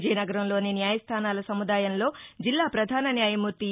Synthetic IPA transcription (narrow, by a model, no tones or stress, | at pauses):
d͡ʒɛːjnɐɡɐɾɐmlo̞ːninjaːjɐst̪ʰaːnaːlɐsɐmud̪aːjɐnlo̞ːd͡ʒilːaːpɾɐd̪ʱaːnɐnjaːjɐmuɾt̪i